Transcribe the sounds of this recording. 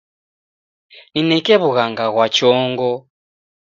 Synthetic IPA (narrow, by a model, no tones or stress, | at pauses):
ninɛkɛβuɣaŋɡaɣwat͡ʃɔːŋɡɔ